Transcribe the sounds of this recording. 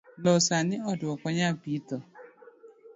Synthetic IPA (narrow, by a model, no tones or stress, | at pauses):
lɔsanɪɔdʊɔkʷɔɲabitɔ